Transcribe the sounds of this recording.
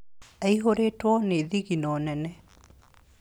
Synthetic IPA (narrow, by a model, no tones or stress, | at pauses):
ɛiɦoɾetwɔneðiɣinɔnɛnɛ